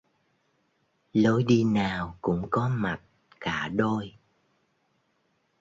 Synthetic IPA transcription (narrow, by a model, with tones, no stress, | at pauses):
lo˨˦jɗi˧naː˨˩wkʊ̰˧˥ŋ͡mkɔ˨˦ma˨˩t̚ | kaː˧˩ɗo˧j